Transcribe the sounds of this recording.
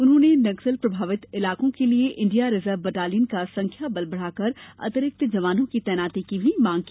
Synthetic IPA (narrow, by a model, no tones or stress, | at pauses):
ʊnɦõːnenɐɡsəlpɾɐbʱaːʋɪt̪ɪlaːkõkelieʔɪ̃ɳɖijaɾɪzəɾʋbəʈaːliənkasɐ̃ŋkʰjabɐlbəɽ̤aːkɐɾɐ̰t̪ɾɪk̚t̪d͡ʒɐʋaːnõkit̪ɛːnaːt̪ikibʱimãːŋɡ̚ki